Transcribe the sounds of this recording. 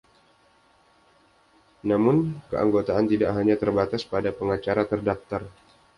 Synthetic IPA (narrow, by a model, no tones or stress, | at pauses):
namʊnkəʔa̰ŋɡot̪aant̪idaʔɦaɲat̪ərbat̪aspadapəŋat͡ʃaɾat̪ərdaft̪ar